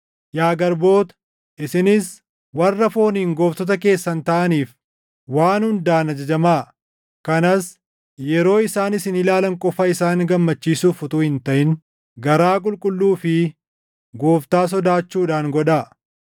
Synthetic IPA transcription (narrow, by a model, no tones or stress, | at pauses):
jaːɡɐɾbo̞ːt̪ɐ̥ | ʔɪsɪnɪs | wɐrːɐfo̞ːniːŋɡo̞ːft̪ɔt̪̬ɐk̬e̞ːsːɐnt̪ɐʔɐniːf | waːnhʊnd̪aːnɐd͡ʒɐd͡ʒɐmaː | kɐnɐs | jɛɾo̞ːɪsaːnɪsɪnɪlaːlɐŋkʼɔfɐɪsaːŋɡɐmːɐt͡ʃːiːsuːfʊt̪uːhɪnt̪ɐʔɪn | ɡɐɾaːk̬ʼʊlkʼʊlːuːfɪ | ɡo̞ːft̪aːs̬ɔd̪aːt͡ʃːuːᶑaːŋɡɔᶑa